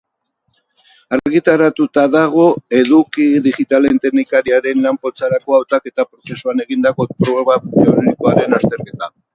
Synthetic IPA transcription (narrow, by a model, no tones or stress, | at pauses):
aɾɣit̪aɾat̪ut̪aðaɣ̞o̞e̞ðukiðiɣit̪alent̪e̞knikaɾiaɾe̞nlampo̞t͡saɾako̞awt̪ake̞t̪apɾo̞θe̞suane̞ɣ̞ind̪ako̞pɾoβat̪eoɾiðiko̞aɾe̞nast̪e̞ɾke̞t̪a